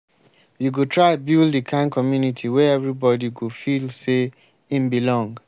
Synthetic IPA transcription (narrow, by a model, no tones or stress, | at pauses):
juɡotʰɹaɪbildəkʰãnkʰɔmjunitʰiwɛɛvɹibɔdiɡofilse | ĩmbilɔ̃ŋɡ